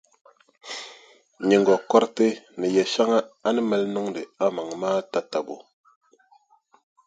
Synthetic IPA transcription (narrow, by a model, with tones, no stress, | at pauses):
ɲe˨ŋɡɔ˨kɔ˦ɾte˦nɛ˨jɛ˨ʃa˦ŋa˦a˦nə˦mɛ˦lnɔ˦ŋde˨a˦ma˨ŋmaː˦ta˦ta˨bo˨